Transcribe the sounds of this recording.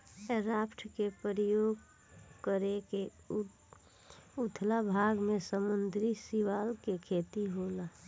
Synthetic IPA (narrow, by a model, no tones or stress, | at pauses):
ɾaːpʈʰkepəɾəjoːɡ | kəɾeke | ʊt̪ʰlabʱaːɡmẽsəmənd̪ʱɾisiwaːlkekʰeːt̪iɦoːla